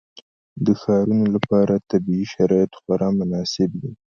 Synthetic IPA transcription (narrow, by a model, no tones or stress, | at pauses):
d̪əxɑɾunolapɑɾat̪abiiʃaɾɑjat̪xwaɾɑmʊnɑsɪbd̪i